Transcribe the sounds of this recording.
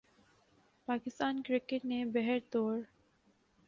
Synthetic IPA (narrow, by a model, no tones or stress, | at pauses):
pakist̪ankɾikeʈnebɛɦɛɾt̪oɾ